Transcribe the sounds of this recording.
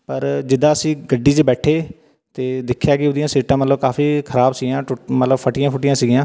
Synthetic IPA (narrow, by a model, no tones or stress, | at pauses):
pəɾd͡ʒɪd̪ãːəsĩːɡəɖːiːt͡ʃbɛːʈʰeː | t̪eːd̪ɪkʰːjaːkɪoːd̪ɪjãːseːʈãːmət̪ləbkaːfiːkʰəɾaːbsiɡjãːʈʊmət̪ləbpʰəʈɪjãːpʰʊʈɪjãːsiːɡɪjãː